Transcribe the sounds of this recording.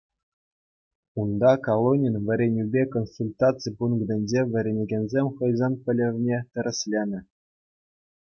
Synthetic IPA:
und̪ɑkolˠonʲinʋʲɘ̆ɾʲenʲybʲekonsulʲt̪ɑt͡sɨjpunɡɤ̆d̪ʲɘ̆nʲd͡ʑeʋʲɘ̆ɾʲenʲĕɡʲenʲzʲemʲχɤ̆jzɑnpʲɘ̆lʲɘ̆vʲnʲet̪ʲɘ̆ɾʲɘ̆sʲlʲenʲɘ̆

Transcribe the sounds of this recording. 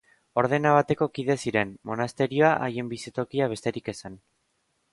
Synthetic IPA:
o̞ɾðe̞naβ̞at̪e̞ko̞kiðe̞siɾe̞nmo̞nast̪e̞ɾio̞aʔaje̞mbisit̪o̞kiaβ̞e̞st̪e̞ɾike̞san

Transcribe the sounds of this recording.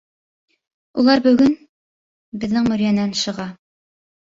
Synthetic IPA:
ulˠɑɾbɵ̆ɡɵn | bɘ̆ðːɘŋmɵ̆ɾjænænʃɤ̆ʁɑ

